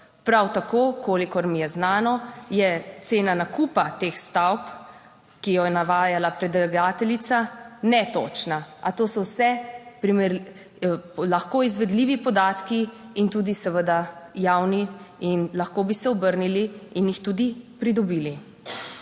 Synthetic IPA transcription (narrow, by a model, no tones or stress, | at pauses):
pɾawt̪akoːkoːlikɔɾmijɛznaːnɔjɛt̪seːnanakuːpat̪eːxst̪awp | kijɔjɛnaʋaːjalapɾɛd̪ɛɡaːt̪ɛlit̪sanɛt̪o̰ːt͡ʃnaʔat̪oːsɔwsɛpɾimɛɾ | laxkoizʋɛd̪liːʋipɔd̪aːt̪kiint̪uːd̪isɛʋəd̪ajaːwniinlaxkoːbisɛɔbəɾniliːnjixt̪uːd̪ipɾid̪ɔbiːli